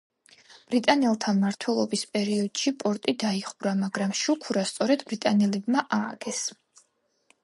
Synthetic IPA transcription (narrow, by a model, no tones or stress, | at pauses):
b̥ɾit̪ʼanɛlˠt̪ʰamaɾt̪ʰwɛlˠɔbispʼɛɾiɔd̪̥ʃipʼɔɾt̪ʼid̪aiχuɾamaɡɾamʃukʰuɾast̪sʼɔɾɛd̪bɾit̪ʼanɛlɛbmaʔaːɡ̥ɛs